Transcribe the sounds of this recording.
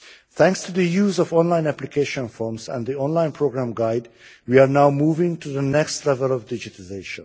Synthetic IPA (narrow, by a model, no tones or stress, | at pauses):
t̪ʰæ̃ŋkstʰud̪əjuːzɔvɔ̃nlãɪ̃næplikʰeɪʃə̃nfɔɹmsæ̰̃ndd̪iɔ̃nlãɪ̃npʰɹoɡɾæ̃mɡaɪd | wiaɹnaʊmuːvɪ̃ŋtʰuðənɛkstlɛvəlɔvdɪd͡ʒɪtəlɪzeɪʃə̰̃n